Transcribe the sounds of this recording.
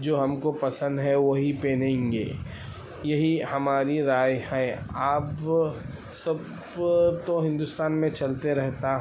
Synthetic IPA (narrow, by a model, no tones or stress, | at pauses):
d͡ʒoːɦɐmkopɐsə̃nd̪ɦɛʋoɦipeːnẽːŋɡḛː | jɐɦihɐmaːɾiɾaːjhɛaːp | sɐb | t̪oɦɪ̃nd̪ʊst̪aːnmẽt͡ʃɐlt̪eɾɛɦt̪aɦ